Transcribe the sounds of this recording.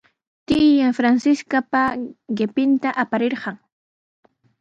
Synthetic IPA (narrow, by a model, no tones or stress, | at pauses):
t̪ɪjaŋfɾansɪskapaɢɪpɪnt̪aʔapaɾeɾɢɑŋ